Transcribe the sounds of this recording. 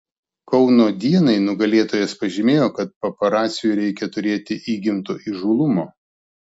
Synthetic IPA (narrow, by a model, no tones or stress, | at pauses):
kɒʊnoːd̪ʲiɛnɐɪnʊɡɐlʲeːt̪oːjɛspɐʒʲɪmʲeːjoːkɐt̪̚pɐpɐɾɑːt̪sʲɪjuɾʲɛɪkʲɛt̪ʊɾʲeːt̪ʲɪʔiːɡʲɪmt̪oːʔiʒuːlˠʊmoː